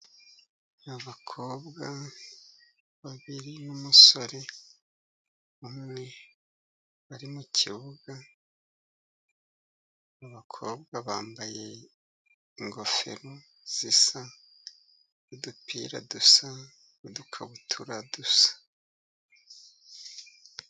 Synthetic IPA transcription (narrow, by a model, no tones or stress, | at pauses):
aβaβakʰo̞ːbɡa | βaβiɾinumuso̞ɾe̞ | umŋe̞ | βaɾimucʰiβuɡa | aβakʰo̞̰ːbɡaβaːmbaje̞ | iŋɡo̞fe̞̰ɾo | z̥isa | nidupʰḭːɾa̰dusa | idukʰaβutʰuɾadusḁ